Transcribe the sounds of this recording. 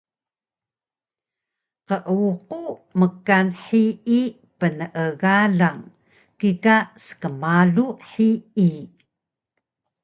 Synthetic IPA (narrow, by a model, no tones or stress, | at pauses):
qəʔəuquməkanħii | pənəʔəɣaɮaŋ | kikasə̥kəmaɮuħii